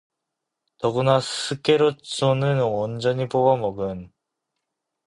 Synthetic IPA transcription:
nʌɡɯnasʰɯk͈eɾot͡ɕonɯnʌnd͡ʑʌɲipoɡamʌɡɯn

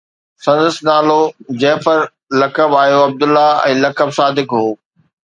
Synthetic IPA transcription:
sɐ̃nd̪əsnaːlod͡ʑɐ̃ɦpɐɾ | lɐkəbaːjoɐb̚d̪ʊlːaɛ̰̃ːlɐkəbsaːd̪ɪkɦoː

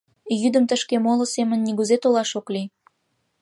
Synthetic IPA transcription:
jyd̪əmt̪əʃkemolŏsemənːiɣuzet̪olɑʃokli

